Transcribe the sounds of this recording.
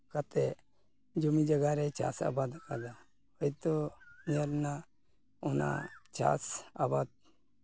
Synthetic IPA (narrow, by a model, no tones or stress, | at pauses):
kat̪ɛ | d͡ʒumid͡ʒaɡaɾɛt͡ʃa̰sa̰bad̪akad̪a | ɔjt̪ɔmijəɾna | ɔna̰t͡ʃa̰sabad̪̚